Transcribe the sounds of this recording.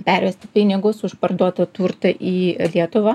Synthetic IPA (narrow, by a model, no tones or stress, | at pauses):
pʲæɾʲʋʲɛsʲt̪ʲɪpʲɪnʲɪɡʊsʊʃpɐrd̪uɔt̪ɐt̪uːɾt̪ɐʔiːlʲiɛt̪ʊʋɐ